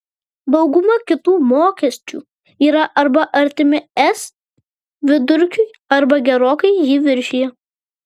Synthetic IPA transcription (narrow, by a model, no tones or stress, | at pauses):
d̪ɒʊɡʊmɐkʲɪt̪uːmoːkʲɛsʲt͡ʃʲṵː | iːɾɐʔɐɾbɐʔɐɾʲt̪ʲɪmʲɪɛs | ʋʲɪd̪ʊɾʲkʲʊj | ɐɾbɐɡʲɛɾoːkɐɪjiʋʲɪɾʲʃʲɪjɛ